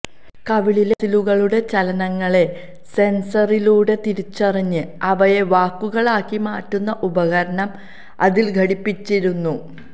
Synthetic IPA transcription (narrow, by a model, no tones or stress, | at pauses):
kɐʋiɭilesiluɣɐɭuɽe̞t͡ɕɐlɐnɐŋːɐɭe̞ | se̞nsɐriluːɽe̞t̪iɾit͡ɕːɐriɲːɨɐʋɐje̞ʋaːkːuɣɐɭaːkːimaːʈːunːɐʔubɐɣɐɾɐɳɐm | ɐ̰ðilɡʱɐɽipːit͡ɕːiɾunːu